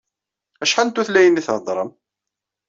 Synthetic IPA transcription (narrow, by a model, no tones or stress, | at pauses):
æʃħant̪ːuθlæjənːiθʕd̪ˤɾˤəm